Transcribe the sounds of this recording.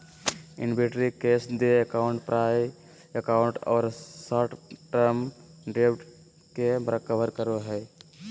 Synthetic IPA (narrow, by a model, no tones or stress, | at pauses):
ɪ̰nbeʈɾikeːsd̪eəkaʊɳʈpɾʔaːj | əkaʊ̃ɳʈɔ̰ːɾsaːʈʈəɾmɖepʈ | kebɾəkəʋəɾkəɾoɦɛː